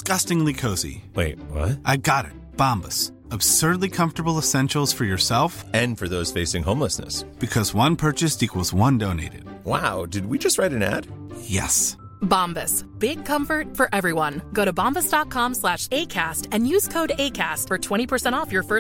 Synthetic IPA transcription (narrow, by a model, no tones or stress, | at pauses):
ɡ̥ʌstɪ̃ŋlikʰoʊzḭweɪt̚wʌ̰t̚ʔaɪɡɑɾɪ̰t̚b̥ɑ̃mbəs | əb̥sɜ˞dˡlikʰʌ̃ɱftə˞bl̩ˠəsɛ̃nʃl̩ˠz̥fə˞jə˞sɛlˠfɨ̃nfə˞ðoʊz̥feɪsɪ̃ŋɦõʊ̃mləsnɨ̰sb̥ɨkʰʌzwʌ̃npʰɜ˞t͡ʃɨstikʰwəzwʌ̃ndõʊ̃nḛɪɾɨ̰d̥̚waʊdɨd̚wid͡ʒʌst̚ɹaɪɾɨ̃næ̰d̥jɛ̰s | bɑ̃mbɨsb̥ɪɡ̚kʰʌ̃ɱfə˞t̚fə˞ʔɛvɹiwʌ̃nɡoʊɾɨbɑ̃mbəsd̥ɑt̚kʰɑ̃mslæʃeɪkʰæstɨ̃njʉz̥kʰoʊɾeɪkʰæstfə˞tʰw̥ɛ̃ɾ̃ipʰə˞sɛ̃ɾ̃tɔfjə˞fɜ